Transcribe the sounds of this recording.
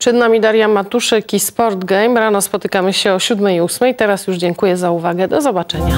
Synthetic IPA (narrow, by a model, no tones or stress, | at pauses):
pʂɛd̪namʲid̪aɾjamat̪uʂɛkispɔɾd̪ɡɛjmɾanɔspɔt̪ɘkamɘɕɛɔɕud̪mɛjusmɛjt̪ɛɾasjuʐd͡ʑɛŋkujɛzauvaɡɛd̪ɔzɔbat͡ʂɛɲa